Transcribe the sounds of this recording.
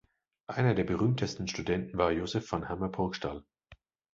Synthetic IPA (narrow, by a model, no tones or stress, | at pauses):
ʔaɪnɐdeːɐbəʁyːmtʰəstn̩ʃtudɛntn̩vaːɐjoːzɛfːɔnhamɐbʰʊɐkʃtal